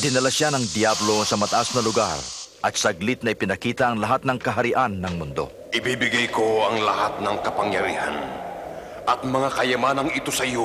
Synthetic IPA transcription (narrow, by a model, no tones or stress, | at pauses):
d̪ɪnɐlaʃanɐŋd̪jablo̞sɐmɐt̪ɐʔasnɐlʊɡa̰ɾʔɐt̪sɐɡlɪt̪̚nɐʔɪpɪnɐkiːt̪ɐʔɐŋlɐɦat̪̚nɐŋkɐɦɐɾɪʔanːɐŋmʊnd̪o̞̰ | ʔɪbibɪɡajkoɐŋlɐhat̪̚nɐŋkɐpɐŋjɐɾiːha̰n | ʔɐt̪̚mɐŋakɐjɐmanɐŋɪt̪osɐjo